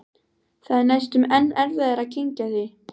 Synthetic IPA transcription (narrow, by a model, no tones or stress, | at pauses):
θaðɪnajst̪ʏmɛnːɛɾvɛðɛɾacʰeɲcaθɪ